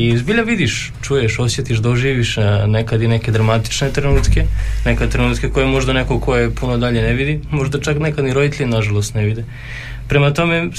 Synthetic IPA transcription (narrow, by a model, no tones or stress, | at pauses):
izbiʎaʋid̪iʃ | t͡ʃuːjeʃo̞sjet̪iʃd̪oʒiːʋiʃnekad̪ineked̪ɾamat̪i̥t͡ʃne̞t̪ɾenuːt̪ke̞nekat̪ɾenuːt̪kekojemo̞ʒd̪anekokʰo̞jepunod̪aʎeneʋid̪imo̞ʒd̪at͡ʃaknekad̪niɾo̞d̪it̪eʎnaʒalˠost̪neʋid̪e | pɾemat̪o̞me